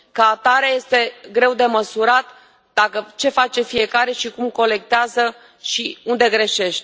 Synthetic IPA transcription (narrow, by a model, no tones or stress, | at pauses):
kəat̪aɾaje̞st̪e̞ɡɾe̞wd̪e̞məsuɾat̪ | d̪̥akət͡ʃe̞fat͡ʃe̞fije̞kaɾe̞ʃikumko̞le̞k̚t̪eazə | ʃiund̪e̞ɡɾe̞ʃe̞ʃt̪